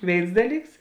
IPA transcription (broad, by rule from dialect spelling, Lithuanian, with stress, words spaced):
ˈʋʲeːɪns ˈdɑːˌlʲiːks